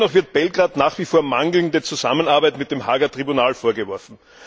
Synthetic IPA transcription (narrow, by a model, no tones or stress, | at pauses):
nɔχv̥ɪɐt̚b̥ɛlɡʁaːtnaːχv̥iːfoːɐmaŋɡl̩ndət͡suzamənaɐbæɪtmɪt̚d̥emɦa̰ːɡɐtʁ̥ibunaːlfoːɐɡəvɔɐfn̩